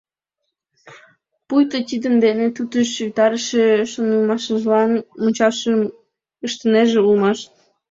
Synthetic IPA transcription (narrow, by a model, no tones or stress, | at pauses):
pujt̪ət̪ʲid̪ənd̪enet̪ut̪əʃʃyt̪ɑɾəʃeʃonəlmɑʃəʒlɑnmunʲt͡ɕɑʃə | əʃt̪əneʒeulmɑʃ